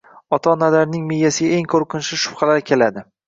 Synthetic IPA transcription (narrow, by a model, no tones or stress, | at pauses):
ɒt̪ʰanad̪aɾnɪŋmejːasɪɡʲaeŋkʰoɾqɨnʃɪʃʊ̥fχɑlaɾkʲʰe̞lad̪ɪ